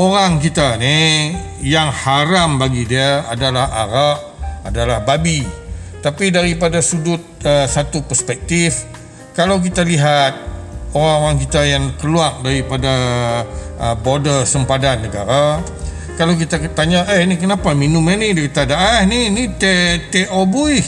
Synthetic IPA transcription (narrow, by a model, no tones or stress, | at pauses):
oɾaŋk̬it̪ani | jaŋhaɾambaɡidiaa̰dalaha̰ɾaʔadalahbabit̪apidaɾipadasudʊt̪̚əsat̪upərspɛk̚t̪if | kalawk̬it̪aliɦat̪̚oɾaŋoɾaŋkit̪ajaŋkəluak̚daɾipada | əbodəsəmpadanːəɡa̰ɾa | kalawk̬it̪at̪aɲaʔəhnikənapaminʊmanidikit̪adaahninit̪et̪eʔobui